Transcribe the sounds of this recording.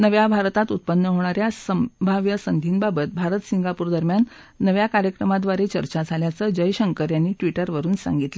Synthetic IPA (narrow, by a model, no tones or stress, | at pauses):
nəʋjabʱaɾt̪at̪ut̪̚pənːəɦoɽ̃aɾjasəbʱaʋjəsənd̪ʱiːnbabət̪̚bʱaɾət̪siŋɡapuːɾd̪əɾmjanː | əʋjakaɾjəkɾəmad̪ʋaɾet͡ɕəɾt͡ɕad͡zʱaljat͡səd͡ʑəjɕəŋkəɾjanːiːʈʋiʈəɾʋəɾuːnsa̰ŋɡit̪lə